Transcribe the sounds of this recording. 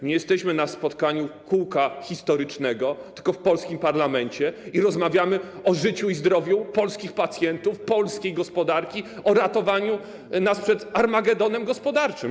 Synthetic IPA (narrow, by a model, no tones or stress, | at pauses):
ɲɛjɛst̪ɛɕmɘnaspɔt̪kaɲukuwkaxʲist̪ɔɾɘt͡ʂnɛɡɔt̪ɘ̥lkɔfpɔlskʲimpaɾlamɛɲt͡ɕɛiɾɔzmavʲjamɘ | ɔʐɘt͡ɕuizd̪ɾɔvʲjupɔlskʲixpat̪sʲjɛnt̪ufpɔlskʲejɡɔspɔd̪aɾkʲiɔɾat̪ɔvaɲu | naspʂɛt̪aɾmaɡɛd̪ɔnɛmɡɔspɔd̪aɾt͡ʂɘm